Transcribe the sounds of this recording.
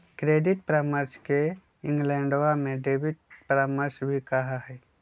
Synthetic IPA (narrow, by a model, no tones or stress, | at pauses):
kɾeːɖɪʈ̚pɾaːməɾske | ɪ̃ŋɡlɛ̃ːɳɖwamẽɖeːbɪʈ̚pɾaːməɾsbʱikɐɦaɦɛː